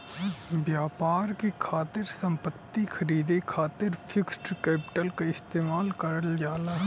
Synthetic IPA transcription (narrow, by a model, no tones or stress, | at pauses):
ʋjaːpaːɾkekʰaːt̪ɪɾsɐ̃mpət̪ːikʰɐɾiːd̪ekʰaːt̪ɪɾpʰɪksʈkɛːpɪ̥ʈəlkaɪst̪eːmaːlkɐɾəld͡ʒaːlaɦɛ